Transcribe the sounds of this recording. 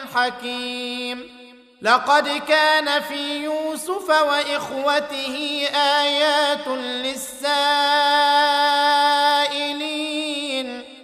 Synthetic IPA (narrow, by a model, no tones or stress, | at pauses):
ħakiːm | lɑqɑd̪kaːnafiːjuːsʊfawaʔɪxwat̪ɪhɪʔaːjaːt̪lɪsːaː | ʔɪliːn